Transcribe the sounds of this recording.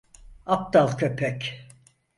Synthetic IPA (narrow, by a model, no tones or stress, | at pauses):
ap̚t̪alˠkʰøpʰɛk